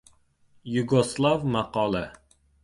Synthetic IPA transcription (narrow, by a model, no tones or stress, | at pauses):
juɡoslˠɑvmɑqɑːlˠɛ